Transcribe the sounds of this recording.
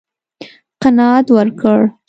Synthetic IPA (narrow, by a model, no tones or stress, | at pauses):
qanɑat̪wəɾkəɽ